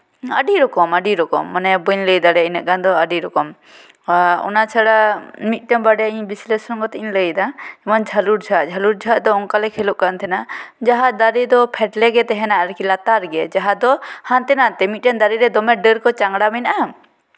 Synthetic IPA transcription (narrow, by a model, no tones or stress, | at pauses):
ə̰ɖiɾɔkɔməɖiɾɔkɔ̰mːanɛbəɲləjd̪aɾɛinɛʔkand̪ɔəɖiɾɔkɔm | ɔ̰nat͡ʃʰaɽamit̪̚ˀʈɛmbaɖɛjaiɲbislesɔnɡɔt̪ɛnləjd̪aɛmand͡ʒʱaluɾd͡ʒʰʱaʔd͡ʒʱaluɾd͡ʒʱaʔ̪d̪ɔɔŋkalɛkʰɛlɔʔ̚kant̪ʰɛnad͡ʒaɦad̪aɾid̪ɔpʰɛʈlɛɡɛt̪ɛɦɛnaaɾkilat̪aɾɡɛd͡ʒaɦad̪ɔhant̪ɛnat̪ɛmit̪̚ˀʈɛnd̪aɾiɾɛd̪ɔmɛɖəɾkɔt͡ʃaŋɽamɛnaʔa